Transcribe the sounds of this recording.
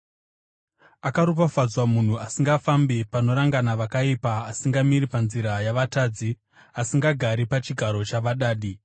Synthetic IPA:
akaɾup̬afad͡zwamun̤uasiŋɡafambipano̞ɾaŋɡanaʋakaipaːsiŋɡamiɾipanziɾajaʋataːd͡zi | asiŋɡaɡʱaɾipat͡ʃiɡʱaɾo̞t͡ʃaʋaɗaːɗi

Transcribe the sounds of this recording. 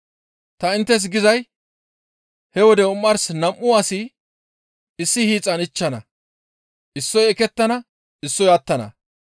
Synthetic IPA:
t̪ɐɪnt̪ːɛs̬ɡɪzɐj | hɛwɔd̪ɛʊmːɐɾsnɐmʔʊwaːsi | ɪsːɪhiːt͡sʼːɐnɪt͡ʃːɐnɐ̰ | ʔɪsːɔjɛkɛt̪ːɐnɐ | ɪsːɔjɐt̪ːɐnɐ̰

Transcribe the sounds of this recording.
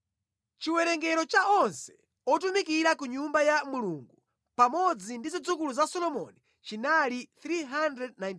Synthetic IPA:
t͡ʃiwɛɾɛŋɡɛɾɔt͡ʃaɔnsɛ̥ | ɔtumikiɾakuɲumbajamuluŋɡu | pamɔd͡zindizid͡zukuluzasɔlɔmɔ̰ni | t͡ʃinaliθɾiɦandɾɛd̚najn

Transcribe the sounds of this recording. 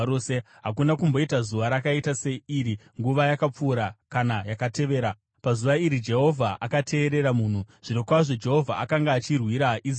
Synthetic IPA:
ose | ɦakunakumbo̞itazuʋaɾakaitase̞iɾiŋɡuʋajakap͡fuːɾakanajakate̞ʋe̞ːɾa | pazuʋaiɾid͡ʒe̞ɦo̞vʱaʔakatʰe̞ːɾe̞ɾamuːn̤uʐ̥ino̞kwaʐod͡ʒe̞ɦo̞vʱa̰akaŋɡaːt͡ʃirwiɾaʔiz

